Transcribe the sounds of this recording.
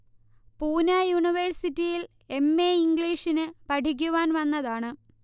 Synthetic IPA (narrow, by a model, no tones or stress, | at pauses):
puːnajuɳiʋɐrsitːijil | e̞mːeːiŋɡɭiːʂinɨpɐʈʰik̬ʲːuʋaːnʋɐnːɐðaːɳɨ